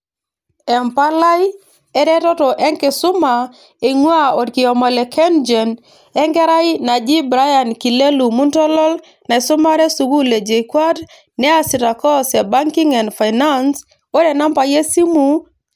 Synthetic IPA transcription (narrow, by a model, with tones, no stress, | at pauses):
ɛ˨mpa˦la˦j | ɛ˦ɾɛ˦tɔ˦tɔ˨ʔɛ˦ŋkɪ˨sʊ˦ma˨ | e˨ŋwa˦o˨dkɪ˨ɔ˨mɔ˨le˨kʰɛ˦nd͡ʒe˨n | ɛ˦ŋkɛ˦ɾa˦i˦na˨d͡ʒi˦bɾa˦ja˨nki˨le˦lu˨mu˦ntɔ˦lɔ˦l | na˨i˨sʊ˦ma˦ɾɛ˦su˨ɡu˦le˨d͡ʒe˨i˨kwa˦t | nɛ˦a˦si˨ɾa˨kɔ˦sɛ˨ba˦ŋki˦ŋɛ˨ndfa˨jna˦ns | o˦ɾɛ˨na˦mpa˨je˦si˦mu˨